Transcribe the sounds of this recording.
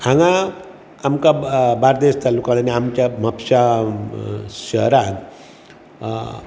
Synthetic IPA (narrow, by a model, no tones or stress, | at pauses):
ãŋɡã | amkabaɾd̪est̪alukãnaniamt͡ɕjam̤apɕa | ɕəɦɾak